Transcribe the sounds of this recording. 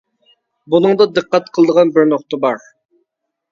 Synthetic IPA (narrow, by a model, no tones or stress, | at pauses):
bunɨŋd̪ɑd̪ɨqːɑt̪qʰəlˠd̪əʁɑnbɪɾnoqt̪əbɑɾ